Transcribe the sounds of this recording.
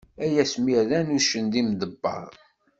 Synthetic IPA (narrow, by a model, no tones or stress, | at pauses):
æjæsmiɾðænuʃənd̪imd̪əbːɑ̰ðˤ